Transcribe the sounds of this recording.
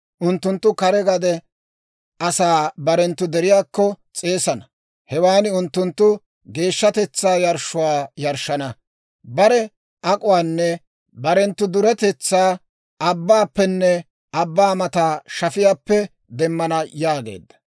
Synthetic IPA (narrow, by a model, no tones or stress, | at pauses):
ʔʊnt̪ːʊnt̪ːʊkɐɾɛɡɐd̪ɛ | ʔɐsaːbɐɾɛnt̪ːʊd̪ɛɾɪjaːkːɔ | t͡sʼe̞ːsɐnɐ | hɛwaːnɪʊnt̪ːʊnt̪ːʊ | ɡe̞ːʃːɐt̪ɛt͡sːaːjɐɾʃʊwaːjɐɾʃːɐnɐ | bɐɾɛ | ʔɐkʼʊwaːnːɛ | bɐɾɛnt̪ːʊd̪ʊɾɛt̪ɛt͡sːaː | ɐbːaːpːɛnːɛ | ɐbːaːmɐt̪aːʃɐfɪjaːpːɛ | d̪ɛmːɐnɐjaːɡe̞̰ːd̪ːɐ̥